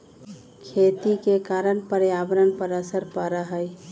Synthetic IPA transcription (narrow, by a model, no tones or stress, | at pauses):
kʰet̪ikekaɾənpəɾjabɾənpəɾəsəɾpəɾəɦəj